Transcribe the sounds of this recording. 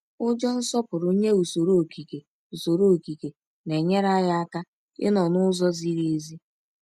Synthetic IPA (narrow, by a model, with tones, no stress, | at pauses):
ʊ˦d͡ʒɔ˦n̩˦sɔ˦pʊ˨ɾʊ˦ɲe˦u˨so˨ɾo˦o˨ki˨ke˨ | u˨so˨ɾo˦o˨ki˨ke˨ | ne˨ɲe˦ɾa˦ja˦a˦ka˦ | ɪ̰˦nɔ˨nʊ˦zɔ˦zi˦ɾe˨e˦zi˦